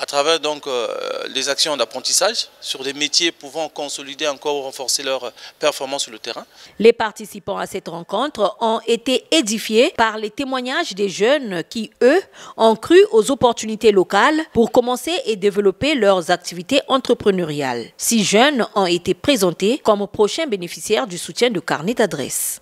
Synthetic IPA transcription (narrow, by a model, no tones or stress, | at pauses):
at̪χavɛʁd̪ɔ̃klezaksjɔ̃d̪apχɑ̃t̪isaʒsyʁd̪emet̪jepuvɑ̃kɔ̃sɔlid̪eɑ̃kɔʁuʁɑ̃fɔʁselœʁpɛʁfɔʁmɑ̃sːyʁlət̪eʁɛ̃lepaʁt̪isipɑ̃asɛt̪ʁɑ̃kɔ̃t̪χɔ̃et̪eed̪ifjepaʁlet̪emwaɲaʒd̪eʒœnkʲiøɔ̃kχyʔozopɔʁt̪ynit̪elokalpuʁkɔmɑ̃seʔed̪evəlɔpelœʁzak̚t̪ivit̪eʔɑ̃t̪χəpχənøʁja̰lsiʒœnɔ̃et̪epχezɑ̃t̪ekɔmpχoʃɛ̃benefisjɛʁd̪ysut̪jɛ̃d̪əka̰ʁned̪ad̪ʁɛ̰s